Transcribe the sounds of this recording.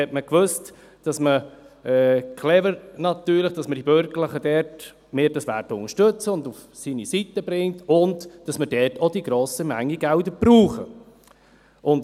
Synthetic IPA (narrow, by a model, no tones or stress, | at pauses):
hɛtməkʋøst | d̥ɑsməɛkʰlɛvəɾnɑt̪yːɾləχd̥ɑsməd̥ibøɾɡəɾləχədɛɾt | meːɾd̥ɑsʋæ̰ɾtəʊŋəʃtøt͡səʊnduf | sinisitəbɾɪŋtʊndd̥ɑsmədɛtʰod̥iɡɾoːsəmæŋːiɡældəb̥ɾuːχə̰ | ʔʊnt